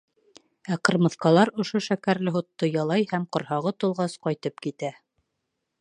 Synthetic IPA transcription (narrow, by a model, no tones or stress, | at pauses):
æqɤ̆ɾmɤ̆θqɑlˠɑɾŏʃoʃækæɾlɘɦŏt̪ːojɑlˠɑjhæmqŏɾhɑʁɤt̪ulˠʁɑsqɑjt̪ɤp̚kit̪æ